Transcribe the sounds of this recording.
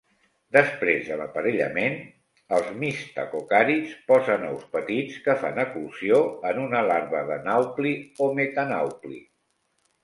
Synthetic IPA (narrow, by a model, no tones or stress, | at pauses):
d̪əspɾezðələ̰pəɾeʎə̰men | əlˠzmist̪ə̰kokaɾit͡spɔzənɔ̰wspət̪it͡skəfa̰nəkulsioənunəlaɾβəðənawpliomet̪ana̰wplḭ